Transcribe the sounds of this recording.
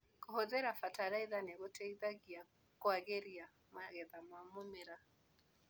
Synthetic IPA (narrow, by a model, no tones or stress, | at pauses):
kɔhɔðɛɾafataɾaiðanɛɣɔtʰɛiðaɣia | kɔaɣɛɾia | maɣɛðamamumɛɾa